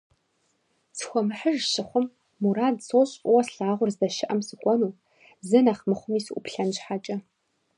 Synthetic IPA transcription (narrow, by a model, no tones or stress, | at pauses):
sʰxʷɔmɨħəʒʃɪχʷʊmː | uraːdsoːɕʼwɐsɬaːʁʷʊrzdɐʃɪʔɐmsɨkʷʼɔnuː | zɨnɐχmɨχʷʊmiːsʔʷʊ̰pɬɐnɕħat͡ʃʼɐ